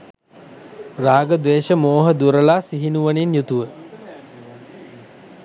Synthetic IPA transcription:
raːɡəd̪ʋeːʃəmoːɦəd̪uɾəlaːsiɦinuʋəninjut̪uʋə

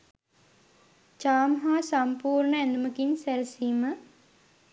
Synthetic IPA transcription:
t͡ʃaːmɦaːsampuːɾɳəɛnd̪uməkinsælsiːmə

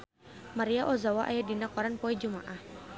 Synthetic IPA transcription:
maɾiaʔɔzawaʔajadinakɔɾanpɔɛd͡ʒumaʔah

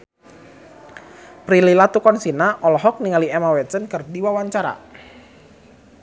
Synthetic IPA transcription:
pɾililat̪ukɔnsinaʔɔlɔɦɔk̚niŋaliɛmawɛsənkərdiwawaɲt͡ʃaɾa̰

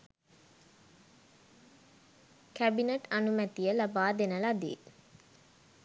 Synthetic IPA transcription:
kæbineʈanumæt̪ijəlabaːd̪enəlad̪ḭː

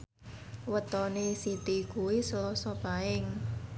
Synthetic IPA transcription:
wət̪ɔnesit̪ikuwisəlɔsɔpaɪŋ

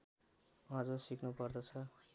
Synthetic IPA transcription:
ʌd͡zʌsiknupʌrd̪ʌt͡sʰʌ

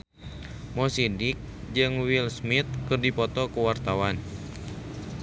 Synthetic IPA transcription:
mɔsidik̚ | d͡ʒɨŋwilsmit̪̚kɨrdipɔt̪ɔkuwart̪awan

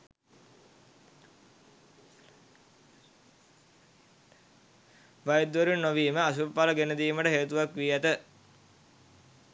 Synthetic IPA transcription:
ʋajd̪ʋəɾunːoʋiːməasuppaləɡenəd̪iːməʈəɦeːt̪uʋakʋiːæt̪ə

